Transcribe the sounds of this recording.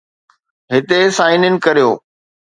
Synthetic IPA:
ɦɪt̪esaːɪnɪnɪ̆kɐɾijo̰ː

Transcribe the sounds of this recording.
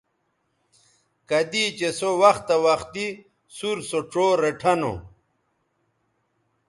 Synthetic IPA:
kɐd̪it͡ɕesowɐxt̪ɐwɐxt̪i | suɾsoʈ͡ʂoɾeʈʰɐno̰

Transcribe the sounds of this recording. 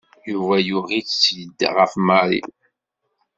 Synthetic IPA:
juvæjʊʁit͡st͡sːjəd̪ːʁəfməɾḭ

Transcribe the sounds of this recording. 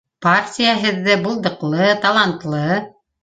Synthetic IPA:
partʲijaɦɘ̆ðːɘbulˠd̪ɤ̆qlˠɤt̪ɑlˠant̪lˠɤ

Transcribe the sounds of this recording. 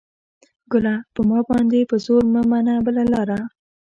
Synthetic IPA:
ɡʊlapəmɑbɑnd̪epəzoɾməmanabəlalɑɾa

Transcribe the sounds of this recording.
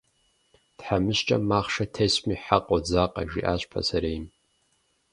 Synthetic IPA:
d̥ħamɨʃt͡ʃʼa̰maχʂatʰejsmiħaqʼod͡zaqʼa̰ʒḭʔaʃʷʼpʰa̰saɾejm

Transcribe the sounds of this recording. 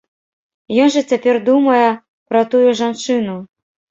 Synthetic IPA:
jɔnʐɐt͡sʲapʲɛrd̪umɐjɛ | pɾɐt̪ujuʐant͡ʂɨnu

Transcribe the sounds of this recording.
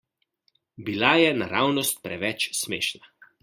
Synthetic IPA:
bilajɛnaɾaːwnɔst̪̚pɾɛʋɛt͡ʃsmḛːʃna

